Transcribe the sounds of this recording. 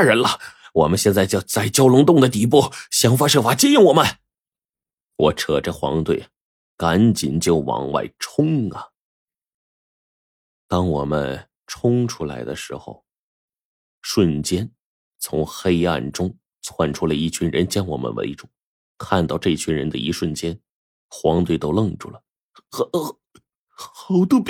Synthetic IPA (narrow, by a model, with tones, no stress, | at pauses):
ɻə˧˥nlə˧wɔ˨˩mə˦nɕjɛ˥˧nt͡sa˥˧ɪt͡ɕjɑ˥˧˩ʊt͡sa˥˩ɪt͡ɕjɑ˥ʊlʊ˧˥ŋt̪ʊ˥˩ŋd̪ə˩t̪̬i˨˧˩p̬u˥˩ɕjɑ˧˥ŋfa˥ʂɤ˥˩fa˧˥t͡ɕi˥˩njɪ˥˩ŋwɔ˨˩mə˦n | wɔ˧˥ʈ͡ʂʰɤ˨˩ʈ͡ʂə˥˧xwɑ̰˧˥ŋt̪we˥˩ɪ | ka˧˥nt͡ɕi˨˩nt͡ɕjo˥˩ʊwɑ̰˧˥ŋwa̰˥˩ɪʈ͡ʂʰʊ˥ŋɐ˩ | t̪ɑ˥ŋwɔ˨˩mə˦n | ʈ͡ʂʰʊ˥ŋʈ͡ʂʰu˥la˧˥ɪd̪ə˧ʂɻ̩˧˥xo̰˧˩ʊ | ʂwə˥˩nt͡ɕjɛ˥n | t͡sʰʊ˧˥ŋxe˥ɪa̰˥˩nʈ͡ʂʊ˥ŋ | t͡sʰwa˥˩nʈ͡ʂʰu˥la˧ɪi˥˩t͡ɕʰy˧˥nɻə˧˥nt͡ɕjɑ˥nwɔ̰˨˩mʔə̰˦˥nwḛ˧˥ɪʈ͡ʂu˨˩˦ | kʰa˥˧nt̪ɑ˥˧ʊʈ͡ʂɤ˥˩t͡ɕʰy˥nɻə˧˥nd̪ə˧i˧˥ʂwə˥˩nt͡ɕjɛ˥n | xwɑ˧˥ŋt̪we˥˩ɪt̪o˥ʊlɤ˥˧ŋʈ͡ʂṵ˥˩lə˩˧ | xɑ˧˥ʊt̪o˥p